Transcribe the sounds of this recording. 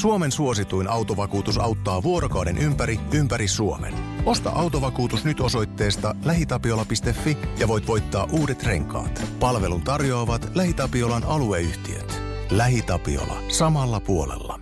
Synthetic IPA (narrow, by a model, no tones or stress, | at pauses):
suo̞me̞nsuo̞sit̪ujnʔɑwt̪o̞ʋɑkuːt̪usɑwt̪ːɑːʋuo̞ɾo̞kɑwde̞nʔympæɾiympæɾisuo̞̰me̞̰no̞st̪ɑ̰ʔɑwt̪o̞ʋɑkuːt̪usnyt̪o̞so̞jt̪ːe̞ːst̪ɑlæɦit̪ɑpio̞lːɑpist̪e̞fːijɑʋo̞jt̪ʋo̞jt̪ːɑːʔuːde̞t̪re̞ŋkɑ̰ːt̪pɑlʋe̞lunt̪ɑrjo̞ːʋɑt̪læhit̪ɑpio̞lɑnɑlueyht̪iø̰t̪ | læɦit̪ɑpḭo̰lɑ̰sɑmɑlːɑpuo̞lḛlːɑ̰